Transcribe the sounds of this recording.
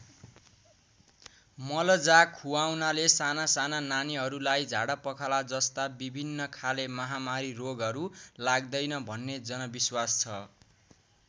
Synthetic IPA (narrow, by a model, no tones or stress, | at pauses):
mʌlʌd͡zakʰːuawnalesanasanananiɦʌɾulajd͡zʱaɽapʌkʰalad͡zʌst̪abibʱinːʌkʰalemʌɦamaɾiroɡʌɾulaɡd̪ʌjnʌbʱʌnːed͡zʌnʌbiswast͡sʰʌ